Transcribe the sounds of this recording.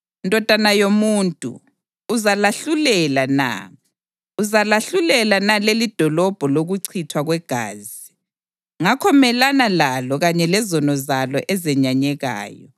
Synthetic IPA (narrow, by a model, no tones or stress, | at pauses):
indʱʼɔd̥ʱanajomuːntʼṵ | uzalaɬulɛlana̰ | uzalaɬulɛlanalelid̥ʱɔlɔb̥ʱɔloɣuǀʰitʰwaɣwɛɡ̥ʱa̰ːzi | ŋakʰɔmɛlanalalɔɣaɲɛlɛzɔnɔzalɔʔɛzɛɲaɲɛɣa̰ːjɔ̰